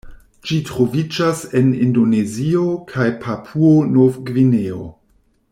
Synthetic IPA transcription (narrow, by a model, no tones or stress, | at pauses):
d͡ʒitɾo̞vid͡ʒase̞nḭndo̞ne̞ziokʰajpʰapʰuonofɡvineo̰